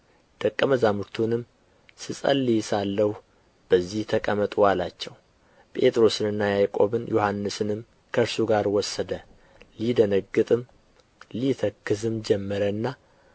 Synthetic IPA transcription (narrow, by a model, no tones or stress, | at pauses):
d̪̥əkʼːəməzamuɾt̪ʰunɨm | sɨsʼə̰lːijɪsalːəhu | b̥əzːiht̪ʰəkʼəmət̪ʼwalat͡ʃːɛw | pʼe̞̰t̪ʼɾo̞sɨnɨnːajajkʼo̞̰βɨnjohanːɨsɨnɨm | kʰəɾsuɡaɾwɔsːəd̪ə | lid̪ənəɡːɨt̪ʼɨm | lit̪ʰəkːɨzɨmd͡ʒɛmːəɾənːa